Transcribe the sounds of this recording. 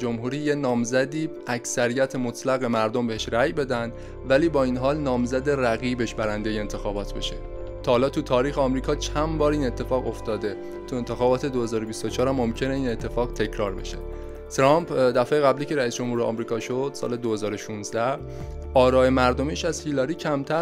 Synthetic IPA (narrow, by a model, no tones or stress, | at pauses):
d͡ʒomɦuːɾiːjenɒːmzæd̪iː | æcʰsæɾijæt̪ʰemot̪ʰlæɣe̞mæɾd̪ombe̞e̞ʃɾæjbe̞d̪ænd̪ | væliːbɒːiːnɦɒːlnɒːmzæd̪e̞ræɣiːbe̞ʃbæɾænd̪ejeent̪ʰe̞xɒːbɒːt̪ʰbe̞̰ʃe | t̪ʰɒːhːlɒːt̪ʰut̪ʰɒːɾiːxeɒmɾiːkʰɒːt͡ʃʰænbɒːɾiːne̞t̪ʰːe̞fɒːɣo̞ft̪ɒːd̪e̞ | t̪ʰue̞nt̪ʰe̞xɒːbɒːt̪ʰe̞d̪ohe̞zɒːɾobist̪ot͡ʃʰɒːɾæmːo̞mcʰe̞ne̞iːne̞t̪ʰːe̞fɒːɣt̪ʰe̞cʰɾɒːɾbe̞̰ʃe | t̪ʰɾɒːmpʰd̪æfejeɣæbliːce̞ɾæiːsd͡ʒo̞mhuːɾeɒ̰mɾiːkʰɒːʃod̪̥sɒ̰ːle̞d̪o̞he̞zɒːɾo̞ʃunzd̪æ | ɒːɾɒːe̞mæɾd̪omiːʃæzhilɒɾiːcʰæmt̪ʰæ